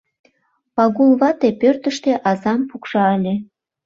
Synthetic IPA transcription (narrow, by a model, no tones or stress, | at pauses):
pɑɣulβɑt̪epørt̪əʃt̪eʔɑzɑmpukʃɑəlʲe